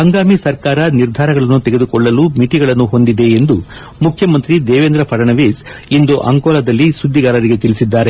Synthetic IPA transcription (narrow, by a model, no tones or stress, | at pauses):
ɐŋɡaːmisɐɾkaːɾɐniɾd̪ʱaːɾɐɡɐɭɐnːut̪eɡe̞d̪ukɔɭːɐluːmiʈiɡɐɭɐnːuɦo̞nd̪id̪e̞ːnd̪u | mukʰjɐmɐnt̪ɾid̪ɛːʋend̪ɾɐpʰɐɾɐɳɐʋeːsind̪uʔɐ̰ŋkɔːlɐd̪ɐlːisud̪ʱːiɡaːɾɐɾiɡe̞t̪ilisid̪ːaːɾe̞